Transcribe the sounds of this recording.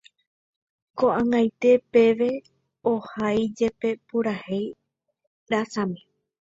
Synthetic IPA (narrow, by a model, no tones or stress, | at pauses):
koʔãŋajt̪e̞pe̞ʋe̞ | ohajd͡ʒe̞pe̞puɾahej | ɾasãmĩ